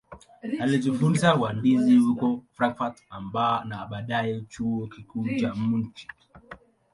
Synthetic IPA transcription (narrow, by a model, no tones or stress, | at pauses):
alizufuɾsawandizihukɔfɾaŋkfatambanaɓaɗajɛt͡ʃuɔkikuːt͡ʃam̩n̩t͡ʃi̥